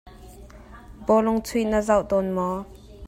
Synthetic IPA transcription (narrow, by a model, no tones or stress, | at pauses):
bɔlʊŋt͡sʰujnəzawʔt̪ɔnmɔ